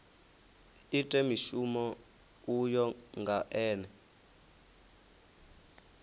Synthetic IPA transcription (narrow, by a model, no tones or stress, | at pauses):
itʼɛmiʃumɔ | ujɔŋɡʱaʔɛːnɛ